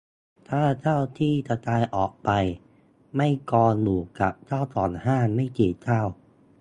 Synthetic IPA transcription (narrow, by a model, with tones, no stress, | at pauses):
t̪ʰaː˥˩t̪ʰaː˥˩wt̪ʰiː˥˩t̪a˧t̪aː˧jʔɔː˨˩k̚pa˧j | ma˥˩jkɔː˧luː˨˩ka˨˩p̚t̪ʰaː˥˩wt̪ɔː˨˩nhaː˥˩ma˥˩jkiː˨˩t͡ɕ̪ʰaː˥˩w